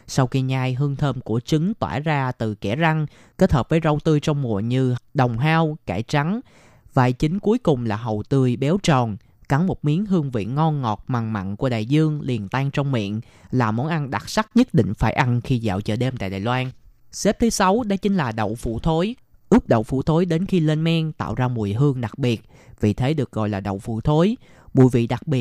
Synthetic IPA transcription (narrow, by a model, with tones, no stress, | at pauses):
sa˧wxi˧ɲaː˧jɦɨ˧əŋt̪ʰəː˧mku˧˩ət͡ɕɨ˨˦ŋt̪wa̰ː˧˩zaː˧t̪ɨ˨˩kɛ˧˩za˧ŋ | ke˦˥t̚həː˨˩p̚vəː˨˦jzə˨˧˩wt̪ɨ˧jt͡ɕɔ˧wŋ͡mmṵ˧˨əɲɨ˧ɗə˨˩wŋ͡mɦaː˧wkaː˧˩jt͡ɕa˨˦ŋ | va̰ː˧˨˩jt͡ɕï˨˦ŋ̟ku˨˦əjkʊ˨˩ŋ͡mlaː˨˩ɦə˨˩wt̪ɨ˧əjɓɛ˨˦wt͡ɕɔ˨˩n | ka˧˩ŋmo˨˩t̚mi˨˦ənɦɨ˧əŋvḭ˧˨ənŋɔ˧nŋɔ˨˩t̚maː˨˩ŋma̰˧˨nku˧˩əɗa̰ː˧˨jzɨ˧əŋli˨˩ənt̪aː˧ŋt͡ɕɔ˧wŋ͡mmḭ˧˨ən | laː˨˩mo˨˦nʔa˧nɗa˨˩t̚sa˦˥k̚ɲə˦˥t̚ɗḭ̈˧˨ŋ̟faː˧˩jʔa˧nxi˧za̰ː˧˨wt͡ɕəː˧˩ɗe˧mt̪a̰ː˧˨jɗaː˨˩jlwaː˧n | sɛ˦˥p̚t̪ʰɨ˨˦sa˨˦wɗa˧˦t͡ɕï˨˦ŋ̟laː˨˩ɗə̰˧˨wfṵ˧˩˨t̪ʰo˨˦j | ʔɨ˦˥p̚ɗə̰˧˨wfṵ˧˩t̪ʰo˨˦jɗe˨˦nxi˧le˧nmɛ˧ŋt̪a̰ː˧˨wzaː˧mu˨˩əjɦɨ˧əŋɗa˨˩k̚ɓi˨˩ət̚ | vi˨˩t̪ʰe˨˦ɗɨ˨˩ək̚ɣɔ̰˧˨jlaː˨˩ɗə̰˧˨wfṵ˧˩˨t̪ʰo˨˦j | mṵ˧˩əjvḭ˧˨ɗa˨˩k̚ɓi˨˩ət̚